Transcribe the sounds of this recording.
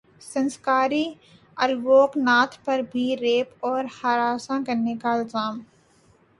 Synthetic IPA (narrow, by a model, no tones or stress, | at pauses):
sɐ̃nskaːɾi | ɐlʋoːknaːt̪ʰpɐɾbʱiɾeːpɔːɾhaːɾaːsãkɐɾnekaɪlzaːm